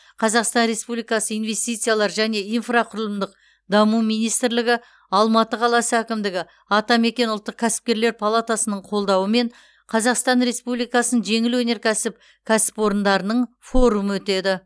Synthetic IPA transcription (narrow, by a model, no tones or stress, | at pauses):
qʰɑzɑqst̪ɑnɾe̞spublijkɑsəijnve̞st̪ijt̪sɨjalˠɑɾʒæne̞ijnfraqʰʊɾəlˠəmd̪əq̚ | d̪ɑmumijnijst̪ɪɾlɪɡʲɪ | ɑlˠmɑt̪əqʰɑlˠɑsəækʲɪmd̪ɪɡʲɪ | ɑt̪ɑme̞kʲe̞nʊlˠt̪ːəq̚kʲʰæsɪ̥p̚kʲe̞ɾle̞ɾpʰalˠat̪asənəɴqʰo̞lˠd̪ɑwəme̞ɴ | qʰɑzɑqst̪ɑnɾe̞spublijkɑsənənʒe̞ŋɪlwɵne̞ɾkʲʰæsɪp | kʲʰæsɪ̥pwo̞ɾənd̪ɑɾənəɴ | fo̞ɾuməwɵt̪e̞d̪ɪ